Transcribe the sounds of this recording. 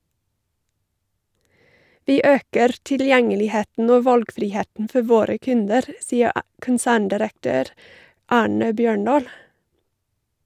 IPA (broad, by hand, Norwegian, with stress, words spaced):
ˈʋiː ˈøːkəɾ tɪlˈjɛŋəlɪˌheːtn̩ ˈoː ˈʋɑlɡfɾɪˌheːən̩ ˈfɔ ˈʋoːɾə ˈkʉndəɾ ˈsiːə ə kənˈsæːɳdɪɾəkˌtøːɾ ˈɑːɳə ˈbjøːˌɳɑːl